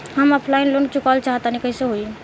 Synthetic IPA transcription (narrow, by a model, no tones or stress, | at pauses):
həməpʰlaɪnlon̚t͡ʃukalt͡ʃaɦət̪anikəiseɦoi